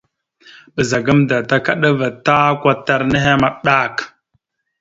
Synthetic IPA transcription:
ɓə˨za˨ɡa˦mda˨ta˦ka˦ɗa˦va˨ta˦kʷa˦ta˨ɾnə˦ɦe˦ma˨ɗa˦˨k

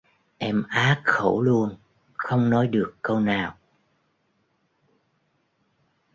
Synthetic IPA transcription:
ʔɛ˧mʔaː˨˦k̚xo˧˩wlu˧ən | xə˧wŋ͡mnɔ˨˦jɗɨ˨˩əkːə˧wnaː˨˩w

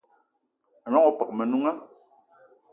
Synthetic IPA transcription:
a˨nɔ˦ŋɔ˨pa˨k̚mɛ˨nu˦ŋa˦

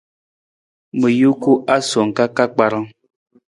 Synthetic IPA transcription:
mə˨ju˦ku˦ʔa˦so˨ŋ̩˨ka˦ka˦k͡pa˨ɾa˦ŋ

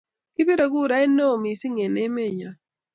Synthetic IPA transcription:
kɪ˦be˦ɾo˨ɡu˦˨ɾa˦e˦no˦˨mi˨si˦ŋe˨ne˦me˦˨ɲa˨

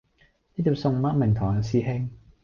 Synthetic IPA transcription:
niː˥t̪ʰiː˨˧˩wsʊ˨˧ŋ˨maː˥mɪ˨˩ŋt̪ʰɔː˨˩ŋa˨˩siː˧hɪ˥ŋ

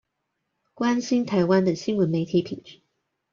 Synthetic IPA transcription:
kwa˥nɕi˥nt̪ʰa˧˥ɪwa˥nd̪ə˨ɕi˥nwə˧˥nme˧˥ɪt̪ʰi˧˥pʰi˨˩ŋʈ͡ʂɻ̩˥˦

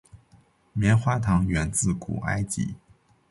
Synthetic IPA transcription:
mjɛ˧˥nxwa˥t̪ʰɑ˧˥ŋɥɛ˧˥nt͡sɹ̩˥˩kṵ˨˩ʔa̰˥ɪt͡ɕḭ˧˥

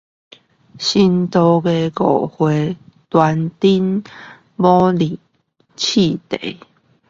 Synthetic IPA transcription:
ɕi˧nt̪o˧ɡe˧ko˨˩hwe˨˦t̪wa˧nt̪i˦n | bɔ˦li˨ | t͡ɕʰi˥˧˨t̪ḛ˨˦

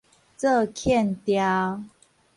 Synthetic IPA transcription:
t͡sə˥˧˨kʰjɛ˥˨nt̪ja˦

